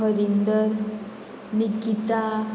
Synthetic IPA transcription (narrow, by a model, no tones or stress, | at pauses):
əɾind̪əɾ | nikːit̪a